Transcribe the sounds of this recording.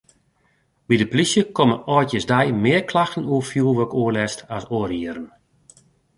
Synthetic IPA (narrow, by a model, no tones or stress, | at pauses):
bidəplisjəkoməɔːjtjəsdɛjmɪərkʰlaxtən̩uəfjulˠʋøkoəlɛstasoːəɾiəɾən̩